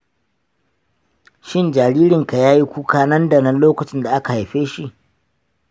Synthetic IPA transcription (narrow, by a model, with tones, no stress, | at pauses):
ʃɪ˦nd͡ʒa˨ɽiː˦ɾɪ˨ŋka˨jaː˦ji˦kʷuː˦kaː˦nɐ˦ndɐ˨nɐ˦nloː˦kɐ˨t͡ʃɪ˦nda˨ʔa˦ka˨ha˨jɸeː˦ʃi˦˨ʔ